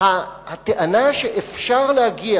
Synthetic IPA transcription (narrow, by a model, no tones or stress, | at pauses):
hahat̪eʔanaʃeʔefʃaʁlehaɡia